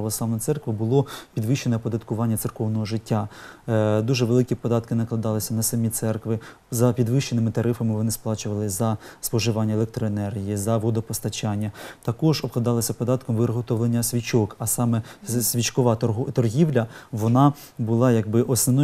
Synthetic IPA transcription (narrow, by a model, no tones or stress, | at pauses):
ɐʋɔslˠɑʋnɔjt̪sɛrkʋɪbʊlˠɔpʲid̪ʋɪʃːenɛpɔd̪ɐt̪kʊʋɑnʲːɐt̪sɪrkɔwnɔɦɔʒɪtʲːa | d̪uʒɛʋelˠɪkʲipɔd̪ɑt̪kɪnɐklˠɐd̪ɑlˠɪsʲɐnɐsɐmʲit̪sɛrkʋɪ | zɐpʲid̪ʋɪʃt͡ʃːenɪmɪt̪ɐɾɪfɐmɪʋɔnɪsplˠɑt͡ʃʊʋɐlˠɪzɐspɔʒɪʋɑnʲːɐelˠek̚t̪ɾɔenɛrɦʲijizɐʋɔd̪ɔpɔst̪ɐt͡ʃɑnʲːɐt̪ɐkɔʒɔb̚klˠɐd̪ɑlˠɐsʲɐpɔd̪ɑt̪kɔmʋɪɾɦɔt̪ɔwlˠenʲːɐsʲʋʲit͡ʃɔkɐsɑmɛsʲʋʲit͡ʃkɔʋɑɦt̪ɔrɦʲiwlʲɐʋɔnɑ | bʊlˠɑjɐɡ̚bɪʔɔsnɔnɔ